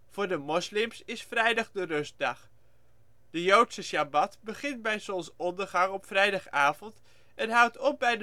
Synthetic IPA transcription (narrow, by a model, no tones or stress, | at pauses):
v̥ʊːɹdəmɔslɪmsɪsfrɛjdɑχdərɵs̚dɑχ | d̥əjowtsəʃabɑtbəχɪntbɛjsɔmsɔndəɹχɑŋɔpfrɛjdɑχaːvɔnt | ɛnɦʌwtɔp̚bɛjd